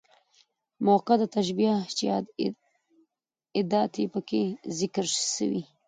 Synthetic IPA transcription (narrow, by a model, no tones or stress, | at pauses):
moqad̪ət̪aʃbijat͡ʃjɑd̪ | ɪd̪ɑt̪ipəkezɪkɾsə̰wḭ